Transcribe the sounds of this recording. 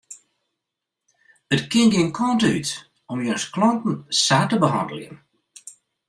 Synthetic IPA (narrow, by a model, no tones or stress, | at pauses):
ətkɪnŋɡinkʰɔntyt | ɔmjœsklɔntn̩saːtəbəɦɑ̰ndəl̩ˠjə̰n